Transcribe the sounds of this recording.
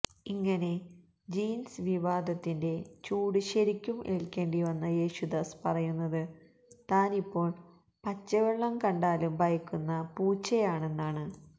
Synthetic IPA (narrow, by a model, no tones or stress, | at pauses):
iŋːɐne̞ | d͡ʑiːnsɨʋiʋaːd̪ʱɐt̪ːinde̞t͡ɕuːɽuɕɐɾikʲːumʔḛɭkʲːe̞ːɳɖiʋɐnːɐje̞ːɕud̪ɐspɐrɐjunːɐðɨ | t̪aːnipːo̞ːɭ | pɐt͡ɕːɐʋɐɭːɐmkɐɳɖaːlumbʱɐjɐkʲːunːɐpuːt͡ɕːɐjaːɳe̞nːaːɳɨ